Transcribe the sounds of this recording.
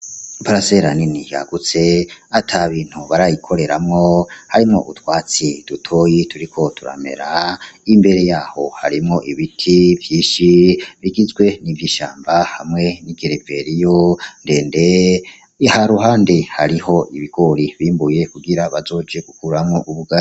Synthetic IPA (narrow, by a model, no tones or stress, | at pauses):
paɾaseɾaninija̰ɡut͡se̞atʰaβiːn̥huβaɾajikʰo̞ɾe̞ɾamŋo̞haɾimŋo̞ʔṵtwaːt͡sid̥utʰo̞jituɾikʰo̞tʰuɾa̰me̞̰ɾaimbe̞ɾe̞jaːho̞ha̰ɾimŋo̞ʔiβitʰivjiːʃiβiɡizɡwe̞niviʃa̰ːmbahamŋe̞niɡeɾeve̞ɾijonde̞ːnde | haɾuɦaːndehaɾiho̞ʔiβiɡ̥o̞ɾiβiːmbuje̞kuɡiɾaβazo̞ːd͡ʒe̞ɡ̥ukuɾamŋo̞ʔuβuɡai